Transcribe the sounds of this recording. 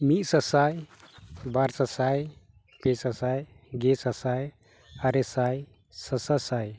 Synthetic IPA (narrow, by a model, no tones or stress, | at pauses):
mit̪̚sasaj | baɾsasaj | pesasaj | ɡɛsasaj | aɾɛsaj | sasasaj